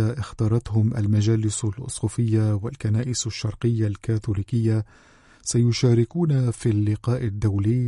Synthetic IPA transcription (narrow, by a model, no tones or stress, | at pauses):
aʔɪxt̪ɑːɾˤɑt̪hʊmʔa̰lmad͡ʒaːlɪsalʔʊ̰sˤxuːfɪjːawalkanaːʔɪsaʃːɑɾˤqɪjːalkaːθʊliːkɪjːa | sajʊʃaːɾɪkuːnafialːɪqɑːʔɪd̪ːawliː